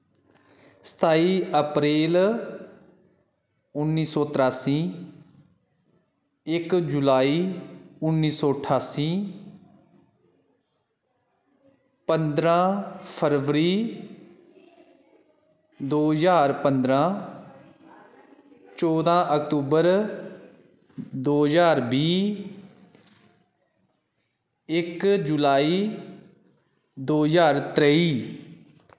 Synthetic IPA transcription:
sə̥t̪ʰaːiːəpɾeːl | ʊnːiːsɔːt̪ɾaːsĩː | ɪkd͡ʒʊlaːiːʊnːiːsɔːəʈʰaːsĩː | pənd̪ɾãːpʰəɾʋɾiː | d̪oːzaːɾpənd̪ɾãː | t͡ʃɔːd̪ãːʔəkt̪uːbəɾ | d̪oːzaːɾbiː | ɪkd͡ʒʊlaːiː | d̪oːzaːɾt̪ɾəːiː

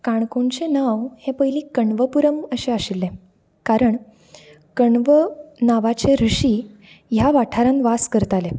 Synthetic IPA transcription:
kaɳkoɳt͡ɕenaʋhẽpəɦjliːkəɳʋəpuɾəməɕeaɕilːẽ | kaɾəɳ | kəɳʋənaʋat͡ɕeɾuɕiː | jaʋaʈʰaɾãnʋaskəɾt̪ale

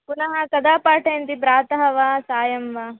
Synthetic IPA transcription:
punɐɦɐkɐd̪aːpaːʈʰɐjɐnt̪ipɾaːt̪ɐɦɐʋaːsaːjɐmʋaː

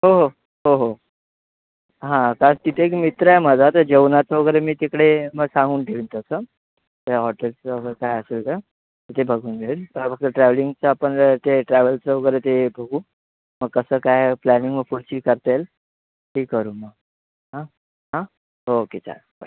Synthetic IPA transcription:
ɦoɦo | ɦoɦo | ɦãkaɾət̪it̪ʰekmit̪ɾəem̤əd͡zʱat̪əd͡ʑeʋnat͡səʋəɡəɾemiːt̪ekɽeməɡsãŋɡuːnʈʰeɭint̪əsə | t̪əɦɔʈelt͡səəɡekajəselt̪ə | t̪ət̪ebʱəɡuːnɡʱelpəbək̚t̪əʈɾæʋliŋɡ̚t͡səːpəɳt̪eʈɾæʋəlt͡səʋəɡəɾet̪ebʱəɡuː | məɡ̚kəsəːkajplæniŋɡʋəfuɽɕiːkəɾt̪el | ʈʰiːkːəɾuːməɡ | ɦã | ɦã | ɦoːket͡sa̰ɾba

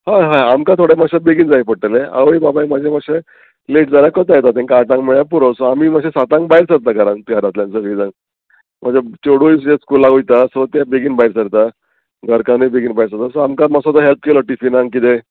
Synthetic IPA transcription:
haɦaamkat̪ʰoɽemaɕabeɡind͡zajpəɽʈəlea̰ʋibabajmad͡ʑʱemaɕe | leʈ̚d͡zaljakət̪ajet̪at̪ẽŋkaːt̪ãŋɡmeɭjap̬uɾosɔamiːmaɕesat̪ãŋɡbaiɾsəɾ̚t̪akaɾãnt̪iaɾat̪lãnt͡səlid͡zãŋ | m̤əd͡zet͡ɕoɽujisd͡ʑeskulaɡujt̪asɔt̪jabeɡiːnbaiɾsəɾt̪a | ɡʱəɾkãnijbeɡinbaiɾs̬əɾt̪asɔamkamasɔt̪əɦelp̚kelɔʈifinãŋɡkit̪e

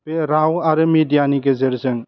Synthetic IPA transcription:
b̥eɾawaɾɯmidijaniɡezeɾzɯŋ

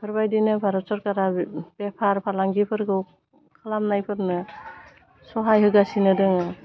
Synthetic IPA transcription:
pʰɯɾbajdinɯbʰaɾɔsɔɾkaɾabepʰaɾpʰalaŋɡipʰɯɾɡɯw | kʰalamnajpʰɯɾnɯ | sɔɦajɦɯɡasinɯdɯŋɯ

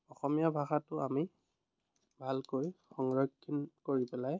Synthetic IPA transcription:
ɔxɔmijabʱaxatʊami | bʱalkojxɔŋɹɔkʰːinkoɹipɛlaj

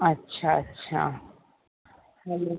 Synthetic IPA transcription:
ɐtːɕʰaɐtːɕʰa̰ | hɛlo

